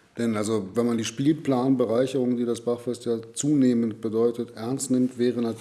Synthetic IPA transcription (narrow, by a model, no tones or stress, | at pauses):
d̥ɛnʔalzovɛnmandiːʃpiːlpl̥aːnbəʁaɪçəʁʊŋdiːdasb̥aχfɛstjaːt͡suːneːmənt̚b̥ədɔʏtətʔɛɐnstnɪmtv̥ɛːʁənat